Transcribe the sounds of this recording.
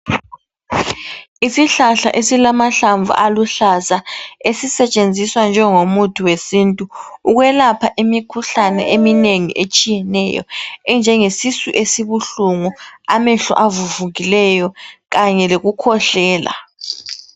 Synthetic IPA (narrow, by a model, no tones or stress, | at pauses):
isiɬaɬa̰ʔesilamaɬaɱvʱa̰ʔaluɬasaesisɛt͡ʃʼend͡zʱiswand͡ʒʱɛŋomutʰiwesintʼuuɣwɛlapʰaʔimikʰuɬanɛ̰ʔemineŋḭʔet͡ʃʼijɛnɛ̰jɔ̰ɛnd͡ʒʱɛŋesisṵʔesiβuɬuŋuamɛɬɔ̰ʔavuvuɣilɛjɔɣaɲɛleɣukʰɔɬɛːla̰